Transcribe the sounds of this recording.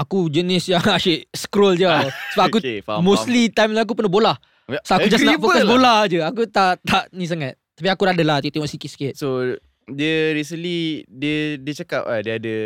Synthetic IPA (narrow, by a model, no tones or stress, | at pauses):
akud͡ʒənɪsjaŋaʃeʔ̚skɾold͡ʒsəbap̚ʔakumoslit̪ajmlajak̬upərnabolah | sakud͡ʒasnafokkabolahd͡ʒəak̬ut̪aʔt̪aʔnĩs̬aŋãt̪̚t̪ḁp̬iakuɾaadəlaht̪it̪emɔʔsikɪt̪̚si̥kɪt̪̚so | diəɾis̬ənlidiədiət͡ʃaka̰p̚adiəadə